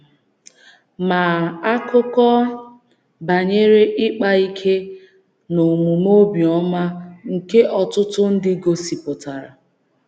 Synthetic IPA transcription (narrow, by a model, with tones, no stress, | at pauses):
ma˨a˦kʊ˦kɔ˦ | ba˨ɲe˦ɾe˦ʔɪ˦k͡pa˦i˦kʰe˦ | no˨mu˨mo˦bi˨ɔ˦ma˦ŋ̩˨ke˦ʔɔ˨tʊ˦tʊ˦n̩˦dɪ˦ɡo˦si˨pʊ˨ta˨ɾa˨